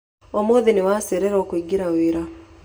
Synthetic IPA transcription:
omoðinewaseɾeɾɔːkwiɡiɾaweɾa

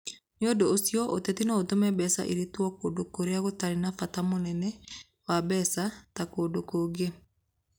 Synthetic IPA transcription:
neodoːsjɔʔotɛtinɔotomɛbɛsa̰ʔḭɾetwɔkodokoɾeaɣotaɾenafatamonɛnɛ | wabɛsatakoːdokoːɡe

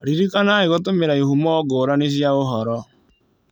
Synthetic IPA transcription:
ɾiɾikanaeɣotomeɾaihumɔɔɡoːɾanes̬jaoɦɔɾɔ

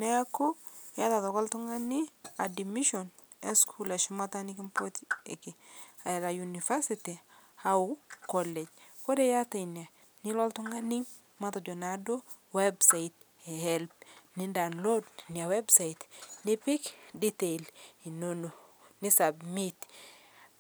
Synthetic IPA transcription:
nɛkojatatɔkɔltuŋɡaniadimiʃɔn | eskʰulaʃumatanik̬impotekiaɛɾajunifasitihaukɔlɛd͡ʒkodejatajnia | nilɔltuŋɡaniŋ | matɔd͡ʒɔnado | websait | ɛhɛlpnindawnlodniawɛbsaitnipikditeilinono | nisabmit

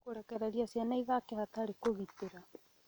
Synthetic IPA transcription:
oɾakaɾaɾiasianaiβakehat̪aɾekoɣit̪eɾa

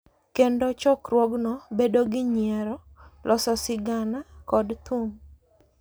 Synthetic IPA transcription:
kendot͡ʃɔkɾwɔɡnɔbedoɡɪɲjɛɾɔ | lʔɔsɔsɪɡanakɔdt̪oŋ

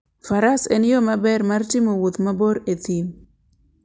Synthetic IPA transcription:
faɾasenjomabɛɾmartɪmowʊt̪maboɾet̪in

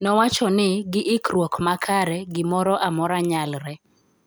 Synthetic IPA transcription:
nɔwat͡ʃɔnɪɡɪʔɪkɾwɔkmakʰaɾɛɡɪmɔɾɔʔamɔɾaɲalɾɛ

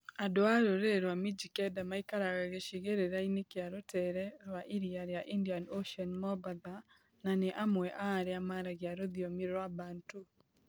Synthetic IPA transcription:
adoaɾoɾeɾwamid͡ʒikɛdamaikaɾaɣaɣeʃiɣeɾeɾainekeaɾotʰɛɾɛɾwaʔiɾiaɾejaʔindianoʃiɔnmɔbaða | naneʔamwɛʔaːɾeamaɾaɣjaɾoðjomiɾɾwabaːntu

